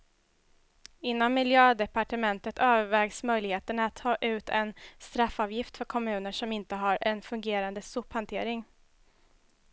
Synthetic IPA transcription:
ɪnːɔmːɪljøːd̪ɛpaʈəmɛnt̪ət̪ʰøːvəɾvɛːɡsmœjlɪɡheːt̪əɳaat̪ʰːɑːʔʉ̟ːt̪ʰɛnst̪ɾafːɑːvjɪft̪fœɾkʰɔmʉ̟ːnəʂɔmɪnt̪əɦaɾɛnfɵŋɡeːɾand̪əsɵphant̪ʰeːɾɪŋ

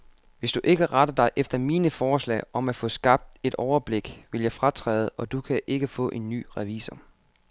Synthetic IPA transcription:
ʋe̝sd̥uʔe̝ɡ̥əʁɑd̥ɐd̥ɑ̈ɪʔefd̥ɐmiːnəfɒːslɛ̰ːɪʔɒ̽mæ̥fɔ̽sɡ̥ɑ̈b̥̚d̥e̝d̥ɒʊɐb̥le̝ɡ̥ʋe̝ljɑ̈ɪfʁɑt͡sʰʁɛ̰ːð̞̩ˠɒ̽d̥ukʰæʔe̝ɡ̥əfɔ̰̽ːʔe̝nːy̰ːʁɛʋḭːsɐ

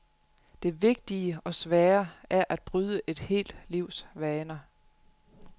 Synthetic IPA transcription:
d̥e̝ʋe̝ɡ̥̚d̥iəɒ̽sʋæːɐæɐʔæd̥̚b̥ʁyð̞ˠəʔe̝d̥he̝̰ːld̥liʊ̰sʋɛːnɐ

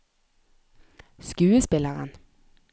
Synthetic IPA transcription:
skʉːəspɪləʁə̰n

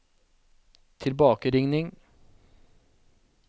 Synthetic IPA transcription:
t̪ʰɪlbɑːkəɾɪŋnɪŋ

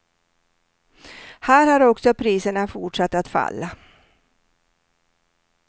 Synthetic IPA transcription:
hæːɾhaɾɔksɔpʰɾiːsəɳafʊʈʂat̪ːat̪fa̰lːa

